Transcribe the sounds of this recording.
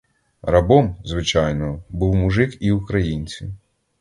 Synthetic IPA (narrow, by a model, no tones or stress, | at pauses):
ɾɐbɔmzʋɪt͡ʃɑjnɔɔbuwmʊʒɪkiʊkɾɐjinʲt͡sʲḭw